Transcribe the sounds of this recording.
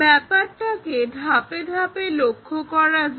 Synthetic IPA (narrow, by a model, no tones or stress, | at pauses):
ɛpaɾʈakeɖʱapedʱapelokʰːokɔɾad͡ʑ